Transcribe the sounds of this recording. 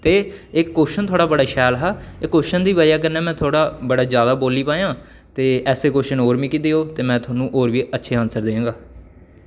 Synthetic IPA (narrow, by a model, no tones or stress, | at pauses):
t̪eːɪkːoːʃənt̪ʰoːɽaːbəɽaːʃɛːlɦaːɪkːoːʃənd̪iːbəd͡ʒaːk̬ənːɛːmɛ̃ːt̪ʰoːɽaːbəɽaːd͡ʒjaːd̪aːboːliːpãːjãː | t̪eːɛːseːkoːʃənoːɾʋiːkid̪eːɦoːt̪eːmɛ̃ːt̪ʰʊaːnũːʔoːɾʋiːətːʃʰeːãːnsəɾd̪ẽːãːɡaː